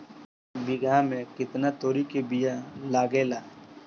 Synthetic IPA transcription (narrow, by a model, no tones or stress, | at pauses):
bɪɡʱamẽkɪt̪nat̪oːɾikebijalaːɡeːlaː